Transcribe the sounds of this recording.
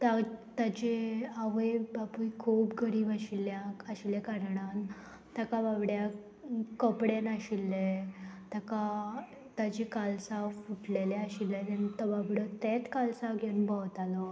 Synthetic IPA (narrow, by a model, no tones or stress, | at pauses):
t̪at̪at͡ɕeaʋəjbapujkʰuːpɡəɾiːbaɕiljaaɕiljakaɾɽan | t̪akababɽja | kəpɽenaɕilːet̪aka | t̪ad͡ʑekalsafuʈleleaɕilːət̪ɛnt̪əbabɽət̪et͡s̪kalsafɡʱenbaʋt̪alɔ